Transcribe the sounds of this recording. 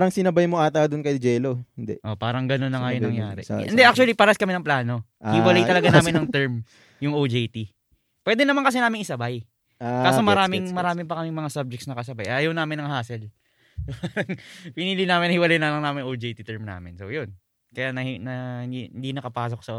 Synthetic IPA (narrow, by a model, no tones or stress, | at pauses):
ɾɐŋsɪnɐbajmoʔaːt̪ɐd̪ʊnkɐjd͡ʒɛːlohɪnd̪ɛ̰ʔʔo̞paːɾɐŋɡɐnonːɐŋajʊŋɐŋjaːɾɛ̰ʔɛnd̪ɛʔak̚t͡ʃuɐlipɐɾaskɐmɛnɐŋplaːno̞ʔhɪwɐlaj̪ɐlɐɡanaːmɪnɐŋt̪ɛɹm | jʊŋʔowd͡ʒejt̪i | pwɛːd̪ɛnɐmankɐsɛnaːmɪŋʔɪsɐbaj | aaːsomɐɾaːmɪŋmɐɾaːmɪpɐkɐmɪŋmɐŋasab̚d͡ʒɛktsnɐkɐsɐbajʔaːjɐwnaːmɪnɐŋɦaːsɛl | poɐŋpɪniːlinaːmɪnɐhɪwɐlajnɐlɐŋnaːmɪnowd͡ʒejt̪it̪ɛɹmna̰ːmɪnsojon | kɐjaʔnɐhnɐhɪihɪnd̪inɐkɐpaːs̬oksɐ